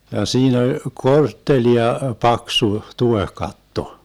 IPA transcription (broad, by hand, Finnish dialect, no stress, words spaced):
jɑ siːn olʲ kortːeliɑ pɑksu tuehkɑtːo